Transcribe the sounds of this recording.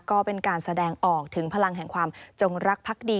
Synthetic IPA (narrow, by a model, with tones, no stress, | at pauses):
kɔː˥˩pe˧nkaː˧nsa˧dɛː˧ŋʔɔː˨˩k̚t̪ʰɯ˩˦ŋpʰa˧la˧ŋɦɛ˨˩ŋkʰwaː˧mt͡ɕo˧ŋɾa˦˥k̚pʰa˦˥k̚diː˧